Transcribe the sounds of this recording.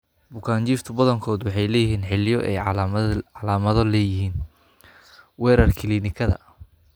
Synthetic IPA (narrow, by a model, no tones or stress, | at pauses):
bʊkʰaːɲt͡ʃiːrt̪ʰʊbɐðɐŋkʰɔːðʊwɑħɑjlɛːjɪɦiːnħɪljɔʔɛjʕʕɑlaːmɐðɔlɛːjɪɦiːn | wɛːɾɐrkʰɪliːnɪkʰɐðɐ̰